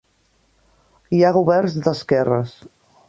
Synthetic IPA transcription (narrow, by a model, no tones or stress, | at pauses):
iaɣuβɛrnzd̪əskɛrəs